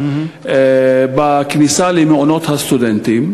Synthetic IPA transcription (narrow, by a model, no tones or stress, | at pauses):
ɛbɐkɪnisɐːlimɪnʔɔnɔt̪ːɐst̪ʊd̪ɛnt̪i